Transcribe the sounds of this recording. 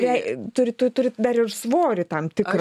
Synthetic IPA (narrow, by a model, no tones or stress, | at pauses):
ɛɪtt̪ʊɾʲɪt̪ʊt̪ʊɾʲɪd̪ɐɾɪrsʋoːɾʲɪt̪ɐmt̪ʲɪkɾ